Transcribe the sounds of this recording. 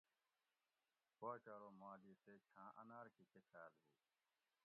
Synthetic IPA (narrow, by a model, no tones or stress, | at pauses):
paːt͡ʃaːɾoːmaːliːseːt͡ʃʰãːʔə̰naːɾkiːkekʰaːlɦuː